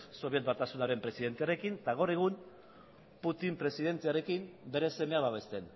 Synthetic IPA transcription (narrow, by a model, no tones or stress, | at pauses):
so̞βie̞t̪̚bat̪asunaɾe̞mpɾe̞siðe̞nt̪eaɾe̞kint̪aɣowɾe̞ɣ̞um | put̪impɾe̞siðe̞nt͡s̪eaɾe̞kimbe̞ɾe̞se̞me̞aβaβe̞st̪e̞n